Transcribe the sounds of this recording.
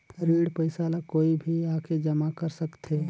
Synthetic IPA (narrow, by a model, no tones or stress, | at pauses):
pʰɾiɽpəɪsalakoibʱiakʰed͡ʒəmakəɾsəkt̪ʰe